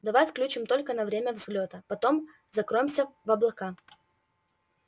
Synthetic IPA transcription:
d̪ɐvajfklʲʉt͡ɕɪmt̪o̞lʲkənɐvɾʲemʲəvzɡlʲot̪əpɐt̪o̞m | zɐkɾo̞jɪmsʲəvɐblˠɐka

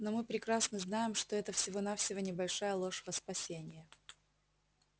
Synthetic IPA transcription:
nomɨpɾʲɪkɾasnəznajɪmʂt̪o̞ɛt̪əfsʲɪvo̞nafsʲɪvonʲɪbɐlʲʂajəlˠo̞ʂvəspɐsʲenʲɪjə

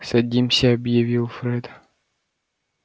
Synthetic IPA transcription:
sɐdʲimsʲəɐbjɪvʲilˠfɾɛd̪

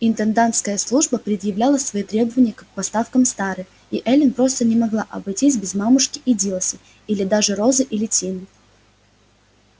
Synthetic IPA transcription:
ɪnt̪ənd̪ant̪skəjəslˠuʐbəpɾʲɪd̪jɪvlʲalˠəsvɐit̪ɾʲe̞bəvənʲɪjəkɐk̚pɐst̪afkəmst̪aɾɨ | iʔɛlʲɪnpɾo̞st̪ənʲɪmɐɡlˠaʔɐbɐjtʲisʲbʲɪzmamʊʂkʲɪʔidʲilˠəsʲɪ | ilʲɪd̪aʐɨɾo̞zɨʔilʲɪtʲinɨ

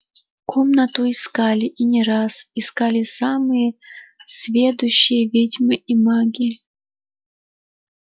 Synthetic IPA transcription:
kʰomnət̪ʊɪskalʲɪʔinʲɪɾasɪskalʲɪsamɨjəsʲvʲed̪ʊɕːɪjəvʲedʲmɨʔimaɡʲɪ

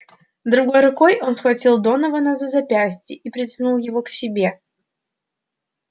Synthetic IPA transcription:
d̪ɾʊɡo̞jɾʊko̞jo̞nsxvɐtʲilˠd̪o̞nəvənɐzəzɐpʲæsʲtʲɪʔipɾʲɪsʲnulˠjɪvoksʲɪbʲe̞

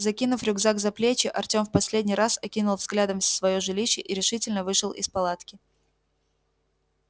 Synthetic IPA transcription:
zɐkʲinʊfɾʲʊɡzaɡzɐplʲet͡ɕɪʔɐrtʲo̞mfpɐsʲlʲedʲnʲijɾasɐkʲinʊlˠvzɡlʲad̪əmʲsvɐjoʐɨlʲiɕːɪʔiɾʲɪʂɨtʲɪlʲnəvɨʂɨlˠʔɪ̰spɐlˠat̪kʲɪ

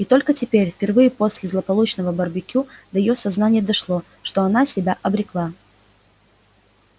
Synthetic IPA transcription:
it̪o̞lʲkətʲɪpʲeɾʲfpʲɪrvɨjəposʲlʲɪzlˠəpɐlˠut͡ɕnəvəbərbʲɪkʲud̪əjɪjosɐznanʲɪjəd̪ɐʂlˠo̞ | ʂt̪o̞ɐnasʲɪbʲaʔɐbɾʲɪklˠa

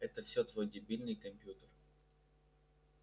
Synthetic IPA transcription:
ɛt̪əfsʲot̪vojdʲɪbʲilʲnɨjkɐmpʲjut̪ər

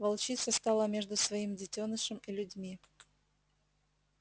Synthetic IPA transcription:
vɐlˠt͡ɕit̪səst̪alˠəmʲeʐd̪ʊsvɐimdʲɪtʲonɨʂɨmilʲʊdʲmʲi

